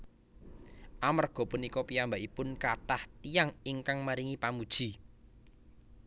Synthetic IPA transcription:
ʔamərɡ̥ɔ̤punikɔpiambaʔipʊnkaʈaht̪ijaŋiŋkaŋmaɾiŋipamud̥ʒ̥i̤

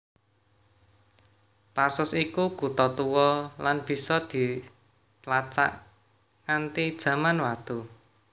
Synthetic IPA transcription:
t̪arsʊsikuɡ̥ṳt̪ɔt̪uwɔlanb̥i̤sɔd̪̥i̤ | t̪lat͡ʃa̰ʔ | ant̪id̥ʒ̥ä̤manwat̪u

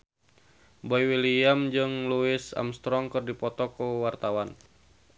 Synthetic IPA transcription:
bɔiwiliamd͡ʒɨŋluisa̰mst̪ɾɔŋkɨrdipɔt̪ɔkuwart̪awan

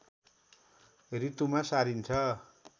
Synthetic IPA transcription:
rit̪umasaɾint͡sʰʌ

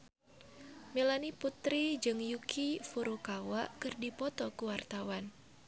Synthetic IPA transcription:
melaniput̪ɾid͡ʒɨŋjukʰifuɾukawaʔkɨrdipɔt̪ɔkuwart̪awan

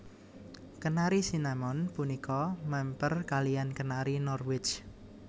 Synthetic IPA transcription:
kənaɾisinamɔnpunikɔmɛmpərkalijankənaɾinɔrwɪt͡ʃ

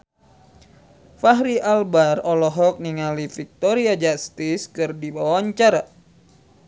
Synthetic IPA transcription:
faɦɾiʔalbarɔlɔɦɔk̚niŋalifik̚t̪oɾiad͡ʒast̪iskɨrdibawaɲt͡ʃaɾa

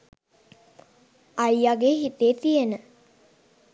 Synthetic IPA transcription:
ajaɡeːɦit̪eːt̪ijenə

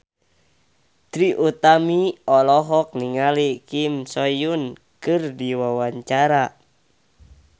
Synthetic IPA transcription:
t̪ɾiʔut̪amiɔlɔɦɔk̚niŋalikimsɔjun | kɨrdiwawaɲt͡ʃaɾa

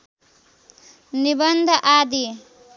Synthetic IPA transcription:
nibʌnd̪ʱʔad̪i

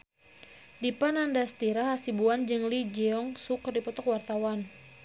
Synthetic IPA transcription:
dipanandast̪iɾahasibuand͡ʒɨŋlid͡ʒɛɔŋsukərdipɔt̪ɔkwart̪awan

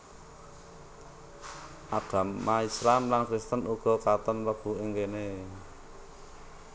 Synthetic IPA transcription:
ʔad̪̥a̤mːaisɾamlankɾist̪ənʔuɡ̥ɔ̤kat̪ənrəb̥ṳeŋɡene

